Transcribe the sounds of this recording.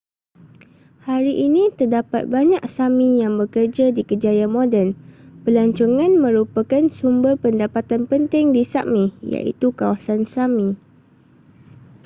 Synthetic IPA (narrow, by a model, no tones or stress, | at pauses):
haɾiʔinĩt̪ərdapa̰t̪̚baɲãksamĩjaŋbəkərd͡ʒadikəd͡ʒajamõdɛnpəlaɲt͡ʃoŋãnmə̃ɾupakansumbərpəndapat̪anpənt̪ɪŋdisaʔmĩja̰ʔḭt̪ukawasansamĩ